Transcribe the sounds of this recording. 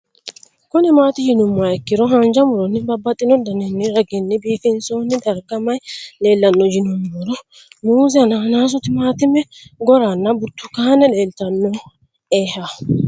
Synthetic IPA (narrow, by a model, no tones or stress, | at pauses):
kʊnɛmaːt̪ɪjɪnʊmːaɛkːɪɾɔɦɐnd͡ʒɐmʊɾɔnːɪbɐbːɐt̪ʼːɪnɔd̪ɐnɛnːɪɾɐɡɪnːɪbiːfɪnsoːnːɪd̪ɐɾɡɐmɐjle̞ːlːɐnːɔd͡ʒɪnʊmːɔɾɔ | muːzɛɐnaːnaːs̬ʊt̪ɪmaːt̪ɪmːɛɡɔɾɐnːɐbʊt̪ːʊkaːnɛle̞ːlt̪ɐnːɔ | eːha